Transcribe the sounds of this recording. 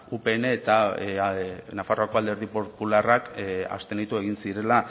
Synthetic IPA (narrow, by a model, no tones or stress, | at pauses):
upe̞ːne̞ːt̪a | nafaroako̞ald̪e̞ɾð̞ipopularaka̰st̪e̞nit̪ue̞ɣ̞insiɾe̞la